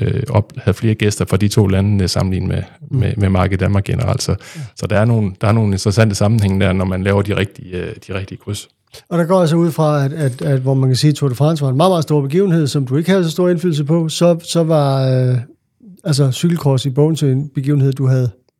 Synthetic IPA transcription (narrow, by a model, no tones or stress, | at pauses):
øɒb̥hæðˠfle̝ːɐɡ̥esd̥ɐfʁɑ̈d̥it͡sʰo̝̰ːlænənəsɑ̈mn̩lḭːnmemememɑ̈ɡ̥əd̥æmɑɡ̥e̝nəʁɑ̰l̰d̥sɒ̽sɒ̽d̥ɑæɐno̝ːn̩d̥ɑ̈æɐno̝ːn̩e̝nd̥ʁɐsæn̰d̥əsɑ̈mn̩heŋ̰d̥æɐnɒmænlɛːʊɐd̥iʁɛɡ̥̚d̥id̥iʁɛɡ̥̚d̥iəkʰʁys | ɒ̽ɾ̥ɑ̈ɡ̥ɒ̰jæs̬ɒ̽uð̞̰ˠfʁɑ̈æd̥æd̥æ̥ʋɒmænkʰæsiːt͡sʰoɾefʁɑ̈nsʋɑ̈enmɑ̈ːð̩ˠmɑ̈ð̩ˠsd̥o̝ɐb̥e̝ɡ̥ḭːʊn̩he̝ð̞̰ˠsɒ̽md̥ue̝ɡ̥əhæð̞̩ˠsɒsd̥o̝ɐ̰e̝nfyːl̩s̬əpʰɒ̽sɒ̽sɒ̽ʋɑ̈ | æls̬ɐsyɡ̥l̩kʰʁɒsib̥ɔʊn̩t͡sʰeenb̥e̝ɡḭʊn̩e̝ð̞̰ˠd̥uɦæð̞̩ˠ